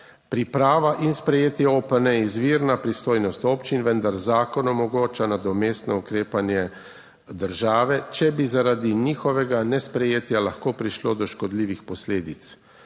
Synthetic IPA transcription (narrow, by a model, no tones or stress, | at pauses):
pɾipɾaːʋaʔinspɾɛjeːt̪jɛopənɛizʋiːɾnapɾist̪oːjnɔst̪opt͡ʃinʋənd̪aɾzaːkɔnɔmɔɡoːt͡ʃanad̪ɔmeːst̪nɔukɾeːpanjɛ | d̪əɾʒaːʋɛt͡ʃɛbizaɾaːd̪iniːxɔʋɛɡanɛspɾɛjeːt̪jalaxkoːpɾiʃloːd̪ɔʃkɔd̪liːʋixpɔsleːd̪it̪s